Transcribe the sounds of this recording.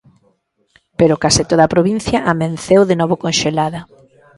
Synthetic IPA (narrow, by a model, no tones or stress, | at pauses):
peɾʊkasɪt̪oðɐapɾoβin̟θjɐʔamẽnθewðenɔβ̞okõnʃelaðɐ